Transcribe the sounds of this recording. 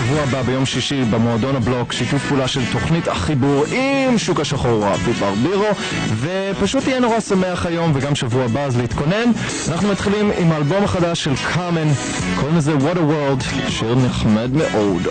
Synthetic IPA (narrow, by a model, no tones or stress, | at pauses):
ʃavuababejo̞mʃiʃibemodonablo̞kʃitufpuːlaʃelto̞χnitaχibuʁimʃukaʃaχoʁapipaʁbiʁo̞ | ve | paʃutijɛno̞ʁasameaχajo̞mveɡamʃavuabaazleit̪ko̞ne̞n | anaχnumat̪χilimimaːlbo̞maχadaʃːelkʰamen | kʰolmizewodəweld | ʃeʁneχmadmeʔo̞d